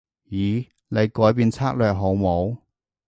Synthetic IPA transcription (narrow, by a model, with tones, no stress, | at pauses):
jiː˨˧ | le˨˧jkɔː˨˥jpiː˧nt͡sʰaː˥k̚lœː˨k̚ɦo˨˥wmo˨˧w